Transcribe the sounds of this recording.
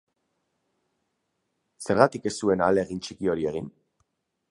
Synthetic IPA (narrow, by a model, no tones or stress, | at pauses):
se̞ɾɣat̪ike̞st̪ue̞naleɣint͡ʃikio̞ɾie̞ɣ̞in